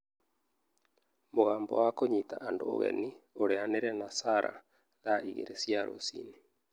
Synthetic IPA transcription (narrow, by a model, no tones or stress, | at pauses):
moɣaːmbɔ̰wakoɲitaʔandoo̰ɣɛ̰nioɾeaneɾɛnasaɾʔa̰ | ðaiɣḛɾesjaɾo̰sḭːni